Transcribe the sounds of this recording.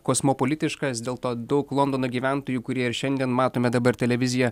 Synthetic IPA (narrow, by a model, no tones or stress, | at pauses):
koːsmopolʲɪt̪ʲɪʃkɐsd̪ʲeːlˠt̪oːd̪ɐʊklˠɔnd̪oːnoɡʲiːʋʲæˑnt̪oːjuːkʊɾʲiɛɪɾʃʲɛnʲd̪ʲiɛnmɑːt̪oːmʲɛd̪ɐbɐɾt̪ʲɛlʲɛʋʲɪzʲɪjɛ